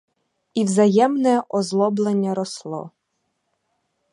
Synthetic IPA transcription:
iwzɐjɛmnɛʔɔzlˠɔblˠenʲːɐɾɔslˠɔ̰

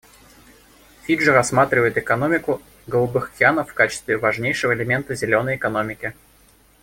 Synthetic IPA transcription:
fʲiʐɨɾɐsmat̪ɾʲɪvəjɪt̪ɨkɐn̪o̞mʲɪkʊ | ɡəlˠubɨxɐkʲɪanəfːkat͡ɕɪst̪vʲɪvɐʐnʲejʂɨvəɪlʲɪmʲe̞nt̪əzʲɪlʲo̞nːəjɪkɐno̞mʲɪkʲɪ

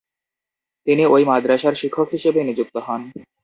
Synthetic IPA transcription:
t̪iniojmad̪ɾaʃaɾʃikʰːokɦiʃebenid͡ʑuk̚t̪oɦɔn

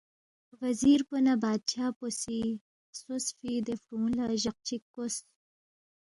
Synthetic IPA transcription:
waziɾpənabɑːd̪̚t͡ʃɑːposi | sosfid̪efɾulaʒaq̚t͡ʃikːos

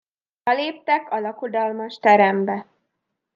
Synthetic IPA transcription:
ɛleːp̚t̪ɛkɒlɒkod̪ɒlmɒʃt̪ɛɾɛmbɛ

